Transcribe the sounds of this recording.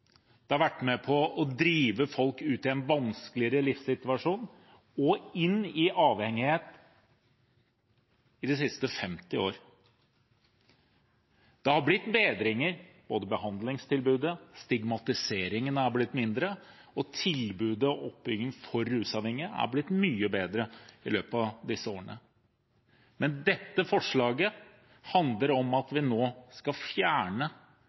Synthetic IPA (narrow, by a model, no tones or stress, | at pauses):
d̪̥ɛhɑɾʋæʈːmɛpʰɔːd̪ɾiːʋəfɔlkʉːt̪ɪɛnʋɑnskəlɪəɾəlɪfsɪt̪ʋɑʂuːn | ɔɪnːɪʔɑːʋhɛŋːɪheːt̪ | ɪd̪ɛsɪst̪əfɛmt̪ɪo̰ːɾ | d̪̥ɛhɑɾblɪt̪ːbeːd̪ɾɪŋəɾb̥oːd̪əbəhɑnd̪lɪŋst̪ʰɪlbʉːd̪əst̪ɪɡmɑt̪ɪseːɾɪŋənæblɪt̪ːmɪnd̪ɾə | ɔt̪ʰɪlbʉːd̪əɔʔɔpːʏɡəŋfɔɾːʉːsɑːʋhɛŋːɪəæ̰blɪt̪myːəbeːd̪ɾəɪ̰løːpɑʋd̪ɪsːəoːəɳə | mɛnd̪ɛt̪ːəfɔʂɭɑːɡə | hɑnd̪ləɾɔmɑt̪ʋɪnoːskɑfjæːɳə